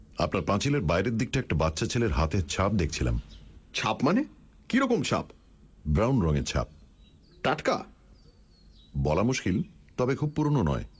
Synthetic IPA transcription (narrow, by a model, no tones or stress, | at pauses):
a̰pnaɾpãt͡ɕileɾbajɾedd̪ik̚ʈaɛk̚ʈabatːɕʰat͡ɕʰeleɾɦat̪et͡ɕʰap̚d̪ekʰt͡ɕʰila̰mt͡ɕʰapmane | kiɾɔkomʃʰa̰p | bɾawnɾɔŋeɾt͡ɕʰa̰p̚ | ʈaʈka̰ | bɔlamuʃkilt̪ɔbekʰub̚puɾononɔ̰e